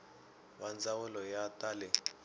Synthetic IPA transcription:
wand͡zawʊlɔjatalɛ

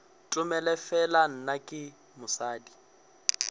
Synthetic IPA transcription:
tʼʊmɛlɛfɛlan̩nakʼɪ | mʊsaːdi

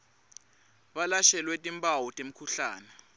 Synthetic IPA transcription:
ɓalaʃɛlwɛtʼimpʼawɔtʼem̩kʰuɬaːnɛ

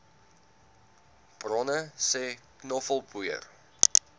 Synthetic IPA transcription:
b̥rɔnəsɛːknɔfəlˠbuə̰r

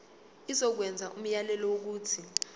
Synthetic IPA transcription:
isɔk̬wɛnd͡zʱaʔum̩jalɛlɔwok̬uːtʰi

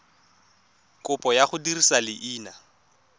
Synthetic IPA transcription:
kʼʊpʼɔjaχʊdirisalɪʔiːna

